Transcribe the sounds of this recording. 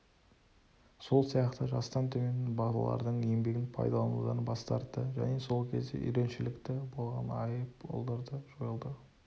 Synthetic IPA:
so̞lˠsijɑqt̪əʒɑst̪ɑnt̪ʰɵmʲet̪ɪnbɑlˠɑ̰lˠɑ̰ɾd̪əɴe̞mbe̞ɡʲɪnpʰɑ̰jd̪ɑlˠɑnud̪ɑnbɑst̪ɑɾt̪ːəʒæ̰ne̞so̞lˠkʲʰe̞zd̪e̞̰ʔʏ̰jɾe̞nʃɪlɪkt̪ɪbo̞lˠʁɑ̰nɑjəpo̰lˠd̪əɾd̪əʒ̥o̞jəlˠd̪ə

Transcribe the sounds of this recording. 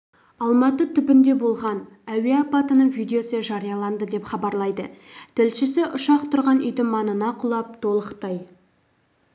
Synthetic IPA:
ɑlˠmɑt̪ət̪ʰʏpɪnd̪e̞bo̞lˠʁɑn | æweɑpɑt̪ənəɴvijd̪eo̞səʒɑɾijɑlˠɑnd̪əd̪e̞pχɑbɑɾlˠɑjd̪ə̰t̪ʰɪlʃɪsɪʔʊʃɑqt̪ʰʊɾʁɑnʏ̰jd̪ɪmɑnənɑqʰʊlˠɑp̚t̪ʰo̞lˠəqt̪ɑj

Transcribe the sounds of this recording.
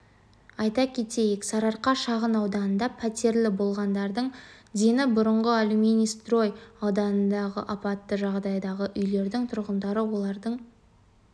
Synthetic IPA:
ɑjt̪ɑkʲʰe̞t̪e̞jɪksɑɾɑɾqɑʃɑʁənɑwd̪ɑnənd̪ɑpʰæt̪e̞ɾlɪbo̞lˠʁɑnd̪ɑɾd̪əɴd̪e̞nɪbʊɾəɴʁəalʲumʲenist̪ro̞jɑwd̪ɑnənd̪ɑʁə̰ʔɑpɑt̪ːəʒɑʁd̪ɑjd̪ɑʁəʔʏjle̞ɾd̪ɪŋt̪ʰʊɾʁənd̪ɑɾəwo̞lˠɑɾd̪əɴ

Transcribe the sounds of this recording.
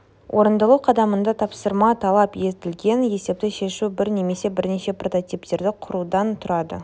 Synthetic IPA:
wʔo̞ɾənd̪ɑlˠuqʰɑd̪ɑmənd̪ɑt̪ʰɑpsəɾmɑt̪ʰɑlˠɑpje̞zt̪ɪlɡʲe̞nje̞se̞p̚t̪ɪʃe̞ʃubɪɾne̞me̞se̞bɪɾneʃe̞pro̞t̪o̞t̪ijp̚t̪e̞ɾd̪ɪqʰʊɾud̪ɑnt̪ʰʊɾɑd̪ə̰

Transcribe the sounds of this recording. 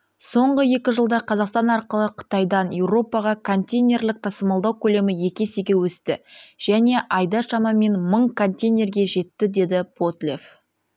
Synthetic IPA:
so̞ɴʁəje̞kʲɪʒəlˠd̪ɑqʰɑzɑqst̪ɑnɑɾqəlˠəqʰə̥t̪ɑjd̪ɑnje̞wɾo̞pɑʁɑkʰont̪ʲejnʲe̞rlɪk̚t̪ʰɑsəmɑlˠd̪ɑwkʲʰɵle̞mɪje̞kʲe̞sɪɡʲe̞wɵst̪ɪ̰ʒ̥æne̞ʔɑjd̪ɑʃɑmɑme̞nməɴkʰont̪ʲejnʲe̞rɡʲe̞ʒe̞t̪ːɪd̪e̞d̪ɪpʰo̞t̪lʲef

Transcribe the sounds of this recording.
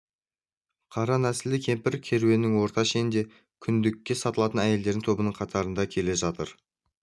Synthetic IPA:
qʰɑɾɑnæsɪlɪkʲʰe̞mpɪɾkʲʰe̞ɾuwe̞nːɪŋwo̞ɾt̪ɑʃend̪e̞ | kʲʰʏnd̪ɪkʲːe̞sɑt̪əlˠɑt̪ənæje̞ld̪e̞ɾd̪ɪŋt̪ʰo̞bənəɴqʰɑt̪ɑɾənd̪ɑkʲʰe̞le̞ʒɑt̪əɾ

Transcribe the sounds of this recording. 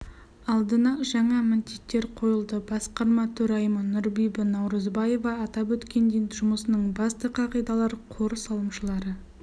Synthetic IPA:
ɑlˠd̪ənɑʒɑɴɑmɪnt̪it̪ːe̞ɾqʰo̞jəlˠd̪əbɑsqɑɾmɑt̪ʰɵɾɑjmənʊɾbijbənɑwɾəzbɑje̞vɑːt̪ɑpwɵt̪kʲe̞nd̪eʒʊməsənəɴbɑst̪əqʰɑʁijd̪ɑlˠɑɾqʰo̞ɾsɑlˠəmʃəlˠɑɾə

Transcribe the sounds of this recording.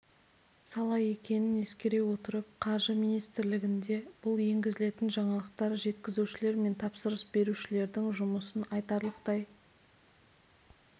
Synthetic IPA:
sɑlˠɑje̞kʲe̞nɪne̞skʲe̞ɾe̞wo̞t̪əɾəp̚qʰɑɾʒəmijnijst̪ɪɾlɪɡʲɪnd̪e̞b̥ʊlˠje̞ŋɡʲɪzɪle̞t̪ɪnʒɑɴɑlˠəqt̪ɑɾʒe̞t̪kʲɪzuʃɪle̞ɾme̞nt̪ʰɑpsəɾəsbe̞ɾuʃɪle̞ɾd̪ɪŋʒʊməsənɑjt̪ɑɾlˠəqt̪ɑj

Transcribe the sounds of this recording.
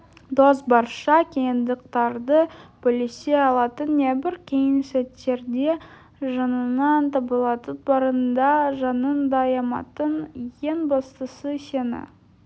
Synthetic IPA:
d̪ozbɑɾʃɑkʲʰe̞jɪnd̪əq̚t̪ɑɾd̪əb̥ɪlese̞ɑlˠɑt̪ənːebɪɾkʲʰe̞jɪnsæt̪ːe̞ɾd̪e̞ | ʒɑnənɑnt̪ʰɑbəlˠɑt̪ət̪̚bɑɾənd̪ɑʒɑnənd̪ɑjɑmɑ̰t̪ənje̞nbɑst̪əsəse̞nɪ̰

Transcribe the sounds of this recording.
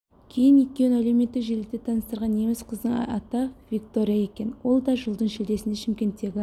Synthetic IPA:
kʲʰe̞jɪnwʏt̪̚kʲe̞næle̞wme̞t̪ːɪkʒelɪk̚t̪et̪ʰɑnəst̪əɾʁɑne̞mɪsqʰəzd̪əɴ̰ɑ̰t̪ɑvʲik̚t̪o̞ɾijɑe̞kʲe̞nwo̞lˠd̪ɑʒəlˠd̪əɴʃɪld̪e̞sɪnd̪eʃɪmkʲe̞nt̪ːe̞ɡʲɪ

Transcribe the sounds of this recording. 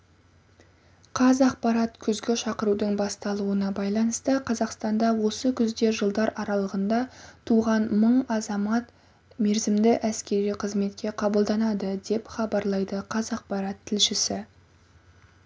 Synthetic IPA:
qʰɑzɑqpɑɾɑt̪kʲʰʏzɡʲeʃɑqəɾud̪əɴbɑst̪ɑlˠuənɑbɑjlˠɑnəst̪əqʰɑzɑqst̪ɑnd̪ɑwo̞səkʲʰʏzd̪e̞ʒəlˠd̪ɑɾɑɾɑlˠəʁənd̪ɑt̪ʰuʁɑnməɴɑzɑmɑt̪ | me̞ɾzɪmd̪ɪʔæskʲe̞ɾijqʰəzme̞t̪kʲe̞qʰɑbəlˠd̪ɑnɑd̪əd̪e̞pχɑbɑɾlˠɑjd̪əqʰɑzɑq̚pɑɾɑt̪ʰːɪlʃɪsɪ

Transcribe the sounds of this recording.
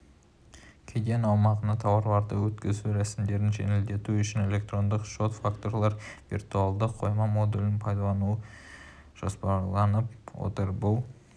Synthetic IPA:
kʲʰed̪enɑwmɑʁənɑt̪ʰɑwɑɾlˠɑɾd̪əwɵt̪kʲɪzuɾæsɪmd̪e̞ɾɪnʒe̞̰nɪld̪e̞t̪uʏʃɪne̞lʲe̞k̚t̪ro̞nd̪əqʃo̞t̪fakt̪o̞rlˠɑɾvʲḭrt̪ualˠd̪əqʰːo̞jmɑmo̞d̪ulʲɪnpʰɑjd̪ɑlˠɑnuə | ʒ̥o̞spɑlˠɑnəp̚wo̰t̪əɾbʊlˠ

